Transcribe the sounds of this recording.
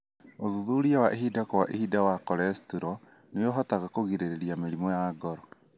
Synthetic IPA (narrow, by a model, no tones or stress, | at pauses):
oðuðuɾiawaʔeɦidakɔwaʔehidawakɔɾɛstuɾɔ | neoɦɔtaɣakoɣiɾeɾeɾiameɾimɔjaɡɔɾɔ